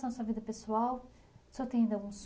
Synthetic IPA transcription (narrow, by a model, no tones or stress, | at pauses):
ɐ̃w̃sɔviðɐpɨswalˠ | sɔt̪ẽĩnd̪ɐũs